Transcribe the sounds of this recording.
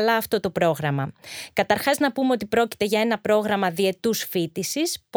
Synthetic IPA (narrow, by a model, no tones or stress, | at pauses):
lɐːft̪o̞t̪o̞pɾo̞ɣɾɐmɐkɐt̪ɐɾxɐznɐpumeot̪ipɾo̞ci̥t̪e̞ʝɐe̞nɐpɾo̞ɣɾɐmɐðie̞t̪usfit̪isisp